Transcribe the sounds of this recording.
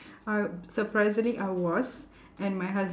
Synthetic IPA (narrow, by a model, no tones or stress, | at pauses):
asəpɾaɪzɪ̃ŋliʔaɪwɔz | ɛ̃nmaɪɦʌz